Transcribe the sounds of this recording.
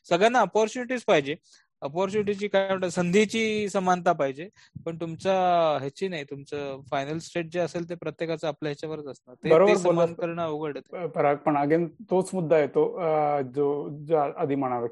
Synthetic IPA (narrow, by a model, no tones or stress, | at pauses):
səɡɭjanːaəpɔɾt͡ɕuniʈiːd͡zpaɦid͡ʑe | əpɔɾt͡ɕuniʈ̬it͡ɕiːkam̤əɳʈ̪asənd̪ʱit͡ɕiːsəmant̪apaɦid͡ʑe | pəɳt̪umt͡saɦet͡ɕiːnaɦit̪umt͡səfajnəlsʈeʈ̚d͡ʑeəselt̪̬epɾət̪jekat͡səːpljaɦet͡ɕaʋəɾət̪əsnat̪ebəɾob̪əeɾsəomankəɾɳaəʋuɡəɽət̪epəɾak̚pəɳəɡent̪ot͡smud̪ʱːajet̪od͡zod͡zəd̪ʱiməɽ̃aʋe